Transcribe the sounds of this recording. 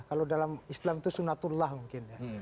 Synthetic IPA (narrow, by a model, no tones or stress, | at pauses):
kalodalamislamt̪usunat̪ulːahmuŋkɪnja